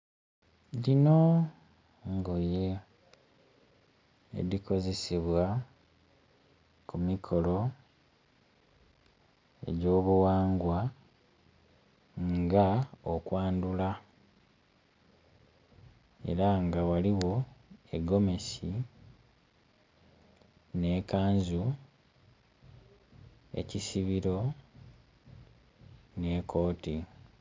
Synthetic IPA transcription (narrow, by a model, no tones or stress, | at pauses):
lino̞ | ŋɡoje | dikʰo̞ze̞siβwa | kumikʰo̞lo̞ | e̞̰ɟo̞ːβuwaːŋɡwa | ŋɡaokwaːndula | e̞̰ɾaŋɡawaliwo̞e̞ɡo̞me̞si | ne̞ːkaːɲzu | e̞̰cisiβiɾo̞ | ne̞ːkʰo̞ːti